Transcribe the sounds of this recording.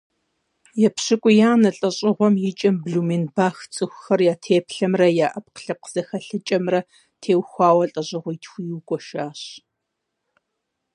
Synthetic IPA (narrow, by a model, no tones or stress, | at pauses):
jɛpɕɨkʷʼʊjaːnɐɬʼɐɕʼɪʁʷɔmjɪt͡ʃʼɐmbɮuminbaːxt͡sʼɨxʷʊxɐrjaːtʰeːpɬɐmrɐjaːʔɐp̚qə̥ɬɐp̚qəz̥ɐxɐɬɨt͡ʃʼɐmrɐ | tʰeːwxʷɑːwɐɬʼɐɕʼɪʁʷitʰxʷijuːkʷʼɔʃaːɕ